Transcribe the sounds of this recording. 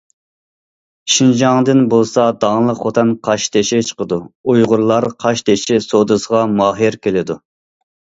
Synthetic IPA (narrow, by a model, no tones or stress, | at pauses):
ʃind͡ʒɑŋd̪ɨnbolˠsɑd̪ɑŋlˠəqːot̪ʰɛnqʰɑʃt̪ʰeʃit͡ʃʰə̥qəd̪uujʁʊɾlˠɑɾqʰɑʃt̪eʃɪsod̪ɨsəʁɑmɑɦiɾkʲʰelɪd̪u